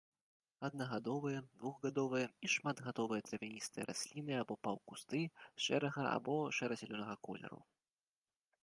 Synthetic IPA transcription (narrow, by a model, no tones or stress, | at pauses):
ɐd̪nɐɣad̪ɔvɨjɐd̪vuɣɣad̪ɔvɨjɛiʂmad̪ɣat̪ɔvɨjɐt̪ɾɐvʲanʲist̪ɨjɛ̰ɾʔa̰sʲlʲinɨabɔpawkust̪ɨʂɛɾɐɣɐa̰bɔʂɛɾɐzʲɛlʲɔnɐɣɐkɔlʲɛ̰ɾṵ